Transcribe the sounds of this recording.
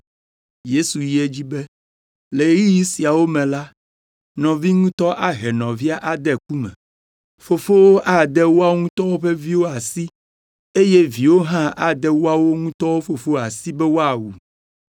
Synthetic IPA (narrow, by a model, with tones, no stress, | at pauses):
je˦su˨ji˦e˦d͡ʑi˦bɛ˦ | le˨˦ɣi˦ji˦si˨a˨wo˦mɛ̃˨la˦ | nɔ̃˨vi˦ŋũ˦t̪ɔ˦ʔa˦ɦɛ˨nɔ̃˨vi˦a˦ʔa˨d̪ɛ˨k̚u˦mɛ̰̃˨ | fo˨fo˦wo˦ʔa˦d̪ɛ˦wo˦a˦ŋũ˦t̪ɔ˦wo˦ɸɛ˦vi˦wo˦a˨si˦ | e˦je˦vi˨wo˦ɦã˦a˨d̪ɛ˦wo˦a˦wo˦ŋũ˦t̪ɔ˦wo˦fo˨fo˦a˨si˦bɛ˦wo˦a˨wu˨